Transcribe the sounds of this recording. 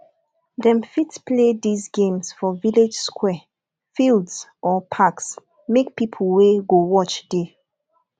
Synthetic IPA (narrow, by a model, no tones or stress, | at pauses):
dɛ̃mfitpledizɡẽmsfɔviled͡ʒskʰwɛ | fildsʔɔpʰaks | mek̚pipʰəl̩weɡowɔt͡ʃde